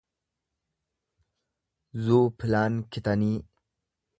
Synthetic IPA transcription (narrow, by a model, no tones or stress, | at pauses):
zupʰilaːnkʰit̪ani